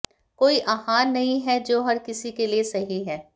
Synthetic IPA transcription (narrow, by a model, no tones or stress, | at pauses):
koːiʔaːɦaːnːɐɦĩɦɛd͡ʒoːɦɐɾkɪsikeliesɐɦiɦɛː